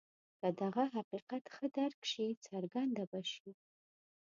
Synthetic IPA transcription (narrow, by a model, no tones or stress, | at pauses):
kadaʁɐɦaqiːqatʰχədarkʰʃijt͡sʰarɡandabaʃi